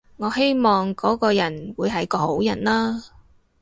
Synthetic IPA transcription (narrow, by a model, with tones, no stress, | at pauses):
ŋɔː˨˧he˥jmɔː˨ŋkɔː˨˥kɔː˧jɐ˨˩nwuː˨˧jɦɐ˨jkɔː˧ho˨˥wjɐ˨˩nlaː˥